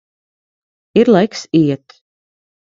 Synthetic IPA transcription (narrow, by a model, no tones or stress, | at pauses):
iɾlˠɛjksiɛt̪